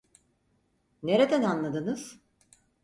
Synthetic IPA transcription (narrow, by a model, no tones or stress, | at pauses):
ne̞ɾed̪ænanlˠad̪ɯnɯz̥